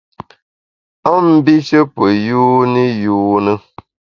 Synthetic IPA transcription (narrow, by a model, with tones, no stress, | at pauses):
a˦m̩˦bi˦ʃə˦pə˨juː˦ni˦juː˦nə˦